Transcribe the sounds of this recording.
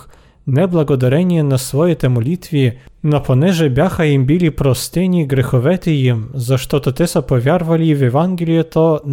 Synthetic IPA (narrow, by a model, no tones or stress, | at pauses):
nɛblˠɐɡɔd̪ɐɾɛnʲijɛnɐsʋɔjɛt̪ɛmɔlʲit̪vʲinɔpʰɔnɛʒɛbʲaxɐjimbʲilʲipɾɔst̪ɛnʲiɡɾɛxɔʋɛt̪ɪjimzɐʃt̪ɔt̪ɔt̪ɛsɐpɔvʲjarvɐlʲivʲjɛvanɡʲelʲijɛt̪ɔn